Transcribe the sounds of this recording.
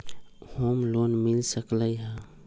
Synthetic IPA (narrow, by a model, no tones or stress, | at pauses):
hoːmloːnmɪlsəkləiɦɛ̃